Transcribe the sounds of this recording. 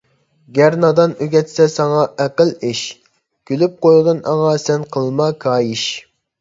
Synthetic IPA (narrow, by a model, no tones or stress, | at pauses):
ɡʲæɾnɑd̪ɑnøɡʲɛt̪sɛsɑŋɑʔæqəlˠɪʃ | kʲʰølyp̚qojʁɨnɑ̰ŋɑsɛnqʰəlˠmɑkʰɑːjiʃ